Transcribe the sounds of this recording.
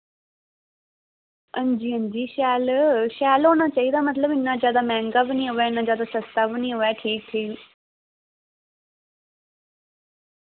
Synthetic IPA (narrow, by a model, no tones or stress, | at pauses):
ə̃nd͡ʒiːənd͡ʒiːʃaːlʃaːlɦoːñaːt͡ʃaːiːd̪aːmət̪ləbɪnːaːzjaːd̪aːmɛ̃ːŋɡaːbɪnĩːɦoːʋɛːɪnːãːzjaːd̪aːsəst̪aːbɪnĩːɦoʋɛːʈʰiːk̚t̪ʰiː